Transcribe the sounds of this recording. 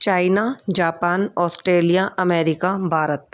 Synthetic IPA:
t͡ʃaːɪnad͡ʒaːpaːnɔːsʈɾeːlijaʔɐmɛːɾɪkabʱaːɾət̪̚

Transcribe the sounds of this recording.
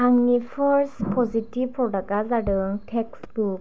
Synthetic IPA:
aŋnifʰɔɾspʰɔzitivʰɔɾɖakazaɽɯŋtʰeksɡuk

